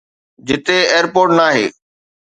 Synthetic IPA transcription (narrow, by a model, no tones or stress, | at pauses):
d͡ʑɪt̪eeːəɾpoːɾʈnaːɦḛː